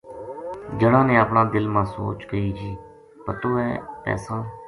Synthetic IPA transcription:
d͡ʒəɽ̃ãːnẽːəpɳãːd̪ɪlmãːso̰ːt͡ʃkəiːd͡ʒiː | pət̪oːɛːpɛ̰ːsãː

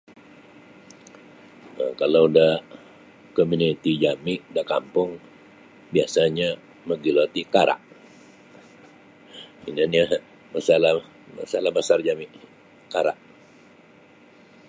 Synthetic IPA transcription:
kalowdah | komunit̪id͡ʒamɪʔdakampʊŋ | biasaɲa | məɡilot̪ikaɾa̰ʔ | ḭnana | masalah | ma̰salahbasard͡ʒamɪʔ | kaɾaʔ

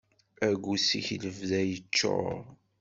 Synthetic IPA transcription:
æɡʷːusiçləvðæjət͡ʃːo̰ɾ

